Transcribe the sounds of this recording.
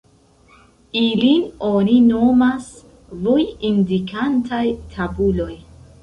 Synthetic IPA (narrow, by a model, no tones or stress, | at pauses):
ilinonino̞mas | vojindikʰantʰajtʰabulo̞j